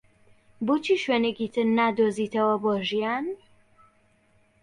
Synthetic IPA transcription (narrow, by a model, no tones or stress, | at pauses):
boːt͡ʃʰiːʃwenekit̪ʰɨɾnaːd̪oːziːt̪ʰɐwɐboːʒijaːn